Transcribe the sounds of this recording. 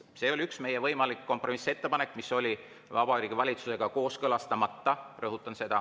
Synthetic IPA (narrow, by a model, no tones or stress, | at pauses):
se̞ːo̞lʲyksme̞jevɤjmɑlikːo̞mpro̞mise̞t̪ːe̞pɑne̞kːˑmiso̞lʲi | vɑb̥ɑɾiːɡ̥ivɑlʲit̪suse̞ɡ̥ɑko̞ːskɤlɑst̪ɑmɑt̪ːɑrɤɦut̪ːˑɑnse̞d̪̥ɑ